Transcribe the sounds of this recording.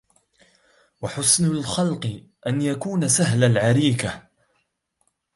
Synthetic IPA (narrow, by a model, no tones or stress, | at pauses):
waħʊsnʊlxɑlqɨ | ʔanjakuːnasaɦlalʕaɾiːka